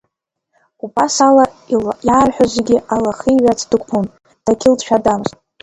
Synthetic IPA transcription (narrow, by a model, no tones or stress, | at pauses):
ubʼasala | jaːrħʷᶣazeɡʲɪalaχiɥʷat͡sʰd̥ɨkʷpʰon | d̥akʲʰɪldʃᶣadamztʼ